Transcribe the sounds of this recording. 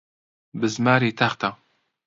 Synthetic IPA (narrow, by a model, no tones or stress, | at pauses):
bɨzmaːɾiːt̪ʰaxt̪a